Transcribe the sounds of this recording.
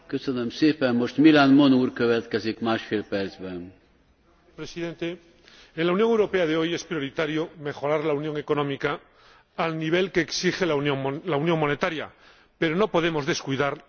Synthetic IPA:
køsønømseːpɛnmo̞ʃt̪milanmo̞nuːrkøvɛt̪kɛzikmaːʃfeːlpɛɾd̪zbɛn | pɾe̞siðe̞nt̪e̞ː | nlaunjo̞ŋewɾo̞pe̞aðeo̞je̞spɾjo̞ɾit̪aɾjome̞χo̞ɾaɾlaunjo̞ŋe̞ko̞nõ̞mikaː | lniβ̞e̞lke̞ːksiχenolaunjo̞ŋmo̞ne̞t̪aɾja̰ | pe̞ɾo̞no̞po̞ð̞e̞mo̞zðe̞skujðaɾ

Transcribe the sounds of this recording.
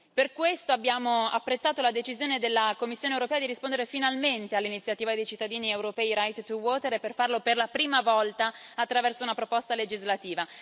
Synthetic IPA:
perkwest̪oabːjaːmoa̰pːɾet̪sːaːt̪olad̪et͡ʃizjoːned̪elːakomːisːjoːnewɾopɛːad̪iɾispond̪eɾefinalment̪ealːinit̪sːjat̪iːvad̪ejt͡ʃit̪ːad̪iːniɛwɾopɛːiɾajt̪t̪ːuwɔːt̪eɾeperfarloperlapɾiːmavɔlt̪aːt̪ːɾavɛrsounapɾopɔst̪aled͡ʒizlat̪iːva

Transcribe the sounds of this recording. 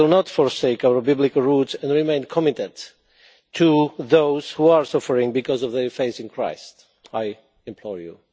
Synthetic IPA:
ɪlnɔtfɔɹseɪkawə˞bɪblɪkəlɹutsɛ̃nɹimẽɪ̃nkʰɔmɪtə̃nt | tʰːuðoʊz̥huaɹsʌfəɹɪ̃ŋbikɔzɔvðəɹfeɪθɪ̃nkʰɹ̥a̰ɪst | aj | ɛ̃mpʰlɔɹjṵ

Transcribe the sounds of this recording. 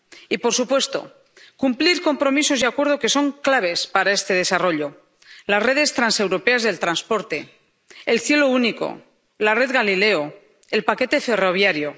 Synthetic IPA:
ipo̞ɾsupwe̞st̪o̞̰ | kumpliɾko̞mpɾo̞miso̞zðiakwe̞ɾð̞oke̞so̞ŋklaβ̞e̞spaɾae̞st̪e̞ð̞e̞saro̞ʎo̞ | lasre̞ð̞e̞st̪ɾanse̞wɾo̞pe̞azðe̞lt̪ɾanspo̞ɾt̪e̞ː | lθje̞lo̞uniko̞̰ | lare̞ðɣalile̞o | e̞lpake̞t̪e̞fe̞ro̞β̞jaɾjo̞

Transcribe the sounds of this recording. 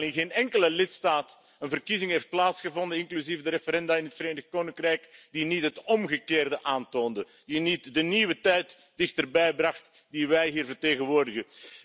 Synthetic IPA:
lɪnɣeːnɛŋkələlɪtstaːt | ənvərkizɪŋɦejft̚plaːtsxəvɔndənɪŋklyzivdəɾefəɾɛndaːɪnɦətfreːdəxkoːnɪŋkrɛjkd̥initɦətɔmɣəkeːrdəʔaːntoːndə | d̥initdəniʋətɛjt | d̥ɪxtərbɛjbrɑxt | diʋɛjɦiːrvərteːɣənʋoːrdəɣə

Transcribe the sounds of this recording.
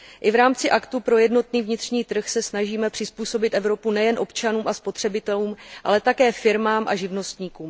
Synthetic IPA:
ʔɪvɾaːmt͡sɪʔakt̪upɾo̞jɛdno̞t̪niːvɲɪt̪r̝̥ɲiːt̪r̩xsɛsnaʒiːmɛpr̝̥ɪspuːso̞bɪt̪ʔɛvɾo̞punɛjɛnʔo̞pt͡ʃanuːmʔaspo̞t̪r̝̥ɛbɪt̪ɛluːmʔa̰lɛt̪akɛːfɪɾmaːmʔa̰ʒɪvno̞st̪ɲiːkuːm

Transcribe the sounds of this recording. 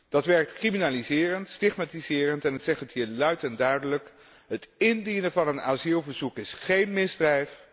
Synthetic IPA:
d̥ɑtʋɛɹk̚tkriminaːlizɪːrəntstɪχmaːtizɪːrəntɛnətsɛχtətɦiːɹlœɥtɛndœɥdələk | ɦətɪndinəvɑnəna̰ːzilˠvəɹzukɪsχejnmɪzdrɛjf

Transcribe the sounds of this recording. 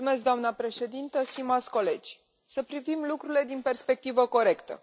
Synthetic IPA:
ume̞sk̚d̪oamnəpɾe̞ʃe̞d̪int̪əst̪imat̪sʲko̞le̞d͡ʒʲ | səpɾivimlukɾuɾile̞d̪inpe̞rspe̞k̚t̪ivəko̞ɾe̞kt̪ə̰

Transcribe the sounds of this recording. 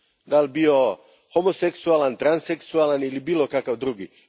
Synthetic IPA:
d̪albio | homoseksualant̪ɾanseksualanilibiːlˠokakawd̪ɾuɡi

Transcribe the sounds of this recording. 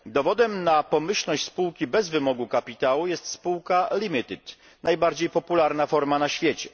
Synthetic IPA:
d̪ɔvɔd̪ɛmnapɔmɘɕlnɔɕt͡ɕʲspuwkʲibɛzvɘmɔɡukapʲit̪awujɛst̪spuwkalʲimʲit̪ɘt̪ | najbaɾd͡ʑejpɔpulaɾnafɔɾmanaɕfʲjɛt͡ɕɛ̥

